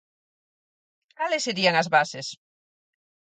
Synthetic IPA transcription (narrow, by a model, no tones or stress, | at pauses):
kalɪsːeɾiaŋɐzβasɪs